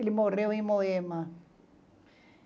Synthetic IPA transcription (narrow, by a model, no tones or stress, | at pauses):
elimoreoimoema